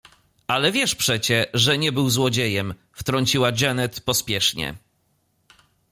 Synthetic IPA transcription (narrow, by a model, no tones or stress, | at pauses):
ʔalɛvʲjɛʂpʂɛt͡ɕɛʐɛɲɛbɘwzwɔd͡ʑejɛm | ft̪ɾɔɲt͡ɕiwad͡ʑɛnɛt̪pɔspʲjɛʂɲɛ̰